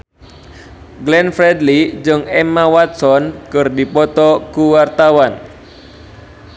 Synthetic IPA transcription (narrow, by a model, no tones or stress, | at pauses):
ɡlɛnfɾɛdlid͡ʒɨŋɛmawat̪̚sɔnkɨrdipɔt̪ɔkuwart̪awan